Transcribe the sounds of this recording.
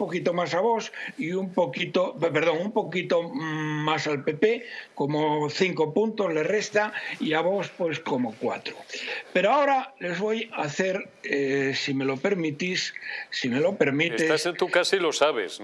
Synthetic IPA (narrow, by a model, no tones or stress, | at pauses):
umpo̞kit̪o̞masaβo̞siumpokit̪opeɾðo̞ŋumpo̞kit̪o̞masalpe̞pe̞komoθiŋko̞punt̪o̞zle̞re̞st̪aiaβ̞o̞spwe̞sko̞mo̞kwa̰t̪ɾope̞ɾoao̞ɾale̞zβo̞jaθe̞ɾ | esime̞lo̞pe̞ɾmit̪isːimelo̞pe̞ɾmitset̪asent̪ukasilosaβḛs